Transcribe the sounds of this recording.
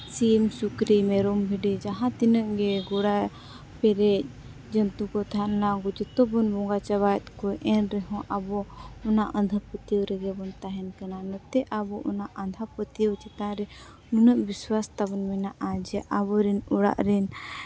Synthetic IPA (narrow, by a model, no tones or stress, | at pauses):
siɛmsukɾimɛɾɔmbʱiɖɛd͡ʒaɦãt̪inəʔɡɛɡɔɽaj | pɛɾɛc̚ˀ | d͡ʒənt̪ukɔt̪ʰanaɡud͡ʒət̪ɔbɔnbɔŋɡat͡ʃabajɛt̪̚kɔʔɛnɾɛɦɔ̃ʔabɔɔnaʔənd̪ʱapət̪iwɾɛɡɛbɔnt̪aɦɛnkananɔt̪ɛʔabɔʔɔnaʔə̃nd̪ʱapət̪iwt͡ʃɛt̪ãɾɛ | nunəʔbiswast̪abɔnmɛnaʔad͡ʒɛʔabɔɾɛnɔɽa̰ʔɾɛn